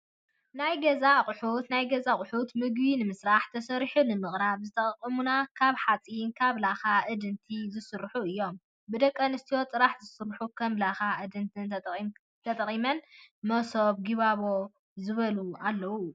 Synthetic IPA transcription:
najɡɐzaqʼʊħut̪najɡɐzaχʼʊħut̪mɨɡbinɨmɨsɾaħt̪ʰɐsɐɾiħunɨmɨχʼɾaβzɨt̪ʰɐχʼqʼːɨmunakʰaβħat͡sʼinkʰaβlaxaʔɨd̪ɨnt̪ʰizɨsɨɾħuɨjːo̞m | bɨd̪ɐkʼːɐnɨst̪ʰijo̞t̪ʼɨɾaħzɨsɨɾħukʰɐmlaxaɨd̪ɨnt̪ɨn | t̪ʰɐt̪ʼɐχʼimɐnmɐsoβɡiβaβo̞ | zɨβɐlualːɐwu

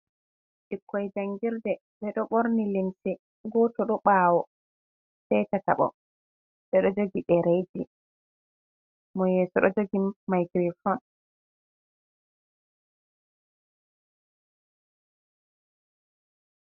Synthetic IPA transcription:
ɗikʰːɔjd͡ʒaŋɡiɾdɛ | ɓɛɗɔɓoɾnilimsɛ | ɡɔtɔɗɔɓaːwɔ | sɛjtata̰ɓɔ̰ | ɓɛɗɔd͡ʒoɡiɗɛɾed͡ʒi | mɔjɛːsɔɗɔ̰d͡ʒoɡimajɡɾifɔn

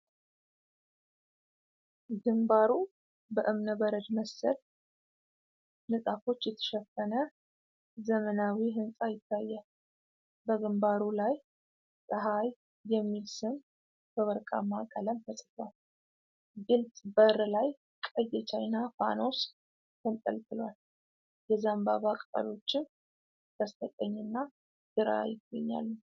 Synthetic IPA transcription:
ɡɨmbaɾu | bəʔɨmnəbəɾəd͡ʒməsːəl | nɨsʼafo̞t͡ʃːjɛt̪ʰə̥ʃɛfːənə | zəmənawiɦɨnsʼajɪt̪ʰːajːɛ | bəɡɨmbaɾulaj | sʼəɦaj | jɛmːilsɨn | b̥əβəɾkʼa̰makʼələmfəsʼfwal | ɡɨlt̪ʼbəɾlaj | kʼəjːɛt͡ʃʰajnafa̰no̞s | kɨnt̪ʼə̰lt̪ʼɨlwal | jɛzambaβakʼt̪ʼə̰lo̞t͡ʃːɪn | ɡ̪̥əst̪ʰət̪ʼəɲːɨnːa | d̪̥ɨɾa̰jɪɡo̰ɲːa̰lːə

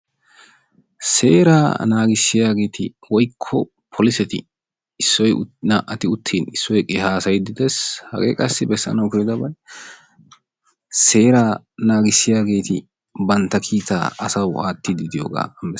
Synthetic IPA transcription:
se̞ːɾaːnaːɡɪsːɪjaːɡe̞ːt̪ɪwɔjkʰːɔ | pʰɔlɪsɛt̪ɪ̰ | ɪsːɔjnɐʔɐt̪ɪʊt̪ʰːiːnɪsːɔjkʼɪɦaːsɐjd̪ɪd̪ɛshɐ̰ɡḛːkʼɐsːɪbɛsːɐ̰nɐwkʊɾɪd̪ɐbɐj | se̞ːɾaː | naːɡɪsːɪjaːɡe̞ːt̪ɪ | bɐnt̪ːɐkʰiːt̪a̰ːɐsɐwaːt̪ːɪd̪ɪd̪ɪjo̰ːɡa̰ːɐmɛ

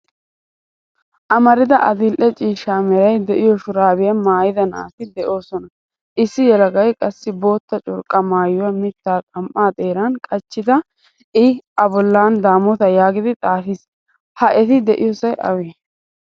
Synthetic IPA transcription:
ʔɐmɐɾɪd̪ɐʔɐd̪ɪlʔɛt͡ʃʼiːʃaːmɛɾɐjd̪ɛʔɪjɔʃʊɾaːbɪjɐmaːjɪd̪ɐnɐʔa̰ːt̪ɪd̪ɛʔo̞ːsɔnɐ | ʔɪsːɪjɛlɐɡɐjkʼɐsːɪbo̞ːt̪ːɐt͡ʃʼʊ̰ɾkʼːɐmaːjʊwɐmɪt̪ːaːkʼɐmʔːaːt̪ʼeːɾankʼɐt͡ʃːɪd̪ɐ | ʔɪɐbɔlːaːnd̪aːmɔt̪ɐjaːɡɪd̪ɪt̪ʼaːfis | hɐʔɛt̪ɪd̪ɛʔɪjɔsɐjʔɐ̰weː

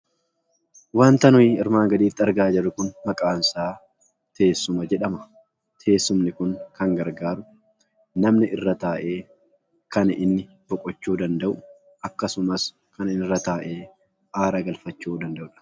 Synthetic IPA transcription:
waːnt̪ɐnʊjɪɪɾmaːŋɡɐᶑ̪iːt̪ːɪɐɾɡaːd͡ʒɐrːʊkʊnmɐkʼaːnsaː | t̪ʰe̞ːsːʊmɐd͡ʒɛᶑɐmɐ | t̪ʰe̞ːsːʊmnɪkʊŋkɐŋɡɐɾɡaːɾʊ | nɐmnɪʔɪrːɐt̪aːʔe̞ː | kɐnɪnːɪ | b̥ɔkʼɔt͡ʃːuːd̪ɐnd̪ɐʔʊ | ʔɐkːɐsʊmɐs | kɐnɪnɪrːɐt̪aːʔe̞ː | aːɾɐɡɐlfɐt͡ʃːuːd̪ɐnd̪ɐʔʊᶑɐ̥

